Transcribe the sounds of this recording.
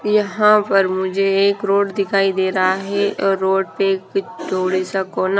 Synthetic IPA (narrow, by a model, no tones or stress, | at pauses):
jɐɦãpɐɾmʊd͡ʒʱeeːkɾoːɖd̪ɪkʰaːid̪eːɾɐɦaɦɛɔɾoːɖ̚peːkd͡ʒoːɽesɐkona